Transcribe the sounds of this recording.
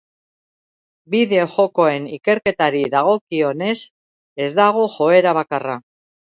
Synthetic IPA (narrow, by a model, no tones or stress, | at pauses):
biðe̞oxo̞ko̞e̞nike̞ɾke̞t̪aɾiðaɣ̞o̞kio̞ne̞s | e̞zd̪aɣ̞o̞xo̞e̞ɾaβ̞akara